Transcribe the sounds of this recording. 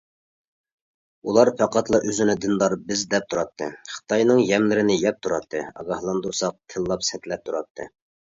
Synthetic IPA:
ulˠɑɾpʰæqɑt̪ʰlˠɑʔøzɪnɪd̪ɨnd̪ɑɾbɪzd̪ɛp̚t̪ʰuɾɑt̪ʰːɨχə̥t̪ʰɑjnɨŋjɛmlɪɾɪnɪjɛp̚t̪ʰuɾɑt̪ʰːɨɑ̰ɡɑhlˠɑnd̪uɾsɑq̚t̪ʰɨlˠːɑpsɛt̪lɛp̚t̪ʰuɾɑt̪ʰːɨ̰

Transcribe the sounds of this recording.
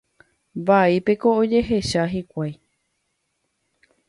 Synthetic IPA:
baipe̞ko̞od͡ʒe̞ɦe̞ʃaɦikʷaj

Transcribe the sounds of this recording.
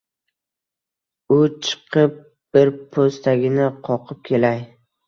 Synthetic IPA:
ʊt͡ʃʰɨ̥qʰɨp̚ | b̥ɪɾpʰost̪ʰaɡʲɪnɪqʰɒqʰɨp̚kʲʰe̞laj

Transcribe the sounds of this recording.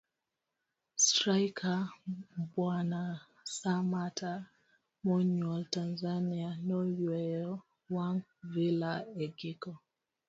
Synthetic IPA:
stɾajkʰa | bwana | samatʰa | mɔɲɔltanzanianɔjɛjɔ | waŋvilaɛɡikɔ

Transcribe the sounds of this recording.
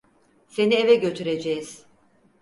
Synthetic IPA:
se̞nievɛɟø̞t̪ʰyɾe̞d͡ʒɛjiz̥

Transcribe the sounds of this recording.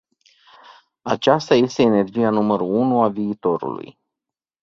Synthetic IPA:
at͡ʃast̪aje̞st̪e̞ːne̞rd͡ʒijanuməɾuunuaviːt̪o̞ɾṵlṵj

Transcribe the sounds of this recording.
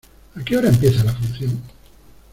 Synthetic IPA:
akeoɾaempjeθalafunθjoŋ

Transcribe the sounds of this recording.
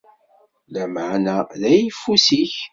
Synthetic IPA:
læmaʕnæðæjifusiç

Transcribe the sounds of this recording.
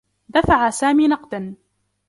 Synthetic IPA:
d̪afaʕasaːmiːnɑqd̪an

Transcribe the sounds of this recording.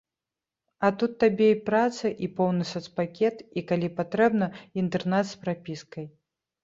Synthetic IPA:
ɐt̪ut̪ːabʲɛipɾat̪sɐʔipɔwnɨsɔt̪spakʲɛt̪ikalʲipat̪ɾɛbnɐint̪ɛrnɛt̪spɾapʲiskɐj

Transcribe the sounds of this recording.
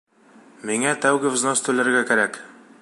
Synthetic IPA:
miŋæt̪æwɡɘvʲznost̪ʉlɘ̆ɾɘɾɡækæɾæk

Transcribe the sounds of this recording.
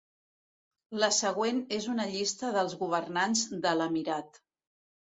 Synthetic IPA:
ləsəɣ̞wenezunəʎist̪əðəlˠzɣuβ̞əɾnanzðələmiɾat̪

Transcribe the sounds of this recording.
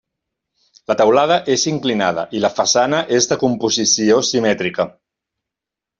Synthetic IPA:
lət̪əwlað̞əʔeziŋklinað̞ə̰ʔiləfəsanəʔezðəkumpuzisiosimɛt̪ɾikə

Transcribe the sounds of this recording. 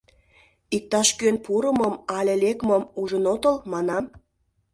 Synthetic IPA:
ik̚t̪ɑʃkønpuɾə̆mə̆mɑlʲelekməmuʒənot̪ə̆lmɑnɑm

